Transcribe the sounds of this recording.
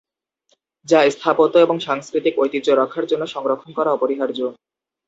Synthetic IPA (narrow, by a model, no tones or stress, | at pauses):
d͡ʑast̪ʰapot̪oeboŋʃaŋskɾit̪ikojt̪id͡ʑoɾɔkʰːaɾd͡ʑonːoʃɔŋɾokʰonkɔɾaɔpoɾiɦaɾd͡ʑo